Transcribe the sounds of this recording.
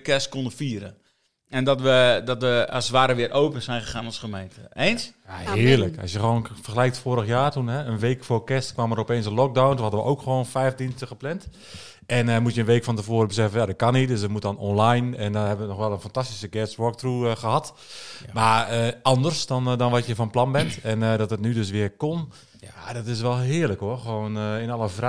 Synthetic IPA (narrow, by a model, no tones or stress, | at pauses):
kɛstkonəfiːəɾə | ɛndɔtʋədɔtʋəasʋaːɾəʋɪəɾʔoːpənsɛjnxəxaːnɔsχəmejntʰəensjaɦɪəərləkɔ̰sjəxəʋoːnfərxəlɛjktfoːɾəxjaːtunɦɛənʋeːkfoːkɛstkʋaməɾɔpeːnsənlɔk̚dawnthadəʋəʔoːkxəʋoːnfɛjfdinstəxəplɛnt | ʔɛnəmutjənʋeːkfɔntəvoːɾəbəsɛfənjadɔt̚kanit̚døs̬ətmut̚dɔnɔnlajnɛndɔnhɛbəʋənɔxʋɛlˠənfantastisəɡɛsɹɔk̚truxəhɑt | maəɑndərsdɔndɔnʋɔsjəfɔnplɑnbɛntɛnədɔtətnydøs̬ʋɪərkon | jadɔtɪs̬ʋɛlˠɦɪːərləkoəxəʋoːnɪnɑlˠəv